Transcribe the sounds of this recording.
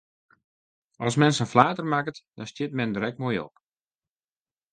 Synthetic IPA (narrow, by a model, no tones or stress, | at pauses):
ɔsmɛnsənflaːtərmakətd̥ɔnstjɪt̚mɛndəɾɛk̚moːjɔ̰p